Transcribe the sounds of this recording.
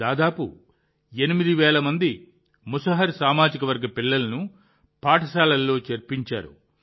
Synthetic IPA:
aːd̪aːpṵ | enimid̪iʋɛːlɐmɐnd̪i | musɐɦɐɾsaːmaːd͡ʒikɐʋɐɾɡɐpilːɐlɐnu | paːʈʰɐsaːlɐlːo̞ːt͡ʃeɾpiɲt͡ʃa̰ːɾṵ

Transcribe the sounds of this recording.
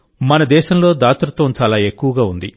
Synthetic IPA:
mɐnɐd̪ɛːʃɐmlo̞ːd̪aːt̪ɾɐt̪ʋɐnt͡ʃaːlaːe̞kːuʋɐɡaːund̪i

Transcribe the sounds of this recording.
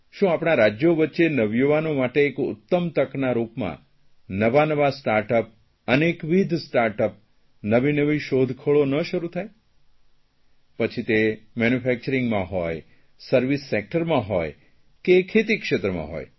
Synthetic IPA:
ʃũapɽ̃aɾad͡ʒjoʋətːʃenəʋjoʋanomaʈeːkʊ̰t̪ːəmt̪əknaɾupmã̰ | nəʋanəʋasʈaɾʈəp̚ | ənekʋid̪ʱsʈaɾʈəp̚ | nəʋinəʋiʃod̪ʱkʰəɭonəʃəɾut̪ʰaj | pət͡ʃʰit̪emɛnufʰɛk̚t͡ʃəɾiŋɡmãɦɔj | səɾʋisːek̚ʈəɾmãɦoj | kekʰet̪ikʃet̪ɾəmã̰ɦo̰j

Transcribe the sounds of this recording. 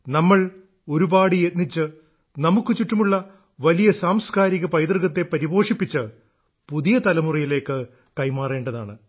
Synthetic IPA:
nɐmːɐɭ | o̞ɾubaːɽijet̪nit͡ɕːɨ | nɐmukːɨt͡ɕutːɐmuɭːɐ | ʋɐlijɐsaːmskaːɾiɣɐpɐjd̪rɨɣɐt̪ːe̞pɐɾibo̞ːʂipːit͡ɕːɨ | puðijɐt̪ɐlɐmurijile̞ːkːɨ | kɐjmaːre̞ːɳɖɐða̰ːɳɨ

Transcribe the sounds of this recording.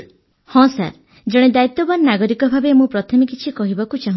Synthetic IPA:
hɔ̃sa̰ɾ | d͡ʒeɽ̃ed̪ait̪ːɔbaɾnaɡɔɾikɔbʱabemũpɾɔt̪ʰɔmekit͡ʃʰikɔɦibakut͡ʃaɦũ

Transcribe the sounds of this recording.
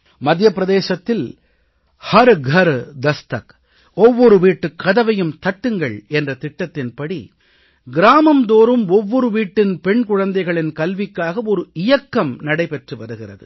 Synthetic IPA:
mɐd̪jɐpɪɾɐðeːsɐt̪ːɪl | hɐɾɡʱɐɾd̪ɐst̪ɐk | ɔʋːɔɾɯʋiːʈːɯkːɐðɐʋɐjɯmt̪ɐʈːɯŋɡɐɭɛndrɐt̪ɪʈːɐt̪ːɪnpɐɽḭ | ɡɪɾaːmɐmd̪oːɾɯmɔʋːɔɾɯʋiːʈːɪnpɛɳkʊɻɐnd̪ɐɪɣɐɭɪnkɐlʋɪkːaːɣɐɔɾɯɪjɐkːɐmnɐɽɐɪpɛʈrɯʋɐɾɯɣɪrɐðɯ̰

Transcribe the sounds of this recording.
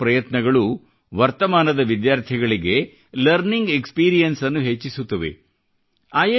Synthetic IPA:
pɾɐjɐt̪nɐɡɐɭu | ʋɐɾt̪ɐmaːnɐd̪ɐʋid̪jaːɾt̪ʰiɡɐɭiɡe̞ | lɐɾniŋɡekspiːɾijɐnsɐnːuɦet͡ʃːisut̪ːɐʋḛ | aːjɐ

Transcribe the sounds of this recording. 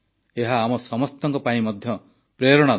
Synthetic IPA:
eɦaːmɔsɔmɔst̪ɔŋkɔpaĩmɔd̪ʱjɔ | pɾeɾɔɽ̃a

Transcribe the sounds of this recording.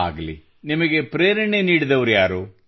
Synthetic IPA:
a̰ːɡɐlḭ | nimɐɡepɾeːɾɐɳeniːɽid̪ɐʋɐɾujaːɾu

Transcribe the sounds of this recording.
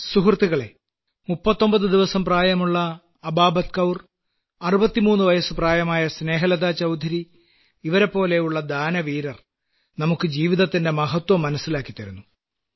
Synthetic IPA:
suɦrt̪ːiɣɐɭe̞̰ | mupːɐt̪ːo̞mbɐðɨd̪iʋɐsɐmpraːjɐmuɭːɐː | baːbɐt̪̚kɐwr | ɐrubɐt̪ːimuːnːuʋɐjɐsɨpraːjɐmaːjɐsne̞ːɦɐlɐd̪aːt͡ɕɐwd̪ʱɐɾi | iʋɐɾe̞pːo̞ːle̞juɭːɐd̪aːnɐʋiːɾɐr | nɐmukːɨd͡ʑiːʋiðɐt̪ːinde̞mɐɦɐt̪wɐmːɐnɐsːilaːkːit̪ːɐɾunːu

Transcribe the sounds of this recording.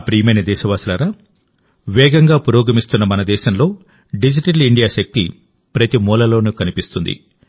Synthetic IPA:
pɾiːmenɐd̪ɛːʃɐʋaːsulaɾa | ʋɛːɡɐŋɡaːpuɾɔːɡɐmist̪unːɐmɐnɐd̪ɛːʃɐmlo̞ː | ɖid͡ʒiʈɐliɳɖijaːʃɐk̚t̪ḭ | pɾɐt̪imuːlɐlo̞ːnukɐnipist̪und̪ḭ

